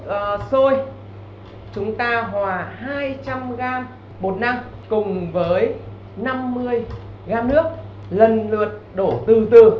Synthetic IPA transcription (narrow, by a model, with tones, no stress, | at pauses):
ʔːso˧j | t͡ɕʊ˨˦ŋ͡mt̪aː˧ɦwaː˨˩haː˧jt͡ɕa˧mɣaː˧m | ɓo˨˩t̚nːa˧m | kʊ˨˩ŋ͡mvəː˨˦j | na˧mːɨ˧əj | ɣaː˧nɨ˦˥ək̚ | lə˨˩nlɨ˨˩ət̚ɗo˧˩t̪ɨ˧˩t̪ɨ˨˩